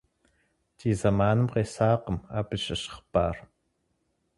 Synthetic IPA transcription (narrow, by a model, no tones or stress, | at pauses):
t͡ʃizamaːnəmqesaːqəma̰pəʃəʃə̥χpaːr